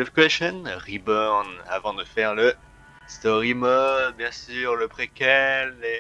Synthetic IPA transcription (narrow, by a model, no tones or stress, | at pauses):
əfkɥɛʃɔnʁibɔʁna̰vɑ̃d̪əfɛʁlə | st̪ɔʁimɔd̪bjɛ̃syʁləpχekʲɛle